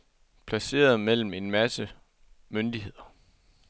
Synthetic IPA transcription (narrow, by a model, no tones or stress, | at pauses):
pʰlæse̝̰ːɐð̞ˠmel̰m̩e̝nmæsə | mønd̥iɦe̝ð̰ˠɐ